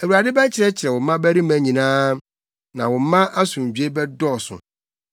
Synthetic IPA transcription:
æ˨wu˨ɾa˨dɪ˦bɛ˦t͡ɕʰɪ˨ɾɛ˦t͡ɕʰɪ˨ɾɛ˨wʊ̃˨m˦mã˦bæ˦ɾi˦mæ̃˨˦˨ɲĩ˨nãː˦ | nã˨wʊ̃˨m˦mã˦ʔa˦sʊ̃˨d͡ʑᶣɥe˦bɛ˦dɔ˦˨sʊ̰̃˨

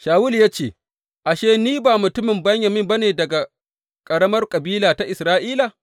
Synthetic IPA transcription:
ʃaː˨wʊ˦ljaː˦t͡ʃeː˨ | ʔa˨ʃeː˦niː˦baː˨mʊ˨tʊ˦mɪ˨mbɐ˦ɲjɐ˨mɪ˦mbɐ˦neː˨dɐ˨ɡa˨ | kʼɐ˨ɽɐ˦mɐ˦rkʼɐ˨biː˦laː˨ta˦ʔɪ˨sɾaː˦ʔiː˦la˨

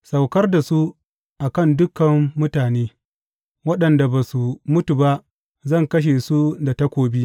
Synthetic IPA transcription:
sa˨wkɐ˦rda˨su˦ | ʔa˨kɐ˦˨ndʊ˦kɐ˨mːʊ˦taː˨neː˦ | wɐ˦ɗɐ˨nda˨baː˨su˨mʊ˦tu˨ba˦ʔ | zɐ˦˨ŋkɐ˦ʃ̬eː˨su˦da˨ta˦kʷoː˦bi˦

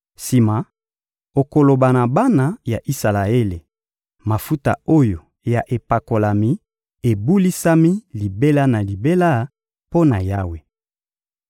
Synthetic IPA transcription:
si˨ma˨ | o˨ko˨lo˨ba˨na˨ba˦na˦ja˨ʔi˦sa˨la˨e˦le˨ | ma˨fu˦ta̰˨o˦jo˨ | ja˨ʔe˨pa˨ko˨la˨mi˨ | e˨bu˦li˦sa˦mi˦li˨be˦la˦na˨li˨be˦la˦ | po˦na˨ja˦we˨

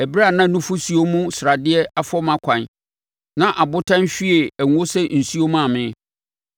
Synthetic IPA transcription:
æ˨bɾa˦˨nã˦˨nũ˦fʊ˦si˨˦o˦mũ˦sɾa˨dɪ˦ɛ˦a˨˦fɔ˦mã˦kʷʰã˨n | nã˦ʔa˨bʊ˦tʰã˦n˦ɕᶣi˦e˨æ˨ŋ˦o˦sɛ˦n̩˨su˦o˦mũ˦a˨mɪ̃˦

